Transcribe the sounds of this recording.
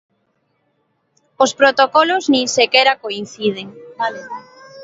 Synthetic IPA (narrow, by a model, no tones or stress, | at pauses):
ospɾot̪okɔlʊznĩŋsekɛɾakoin̟θið̞eŋ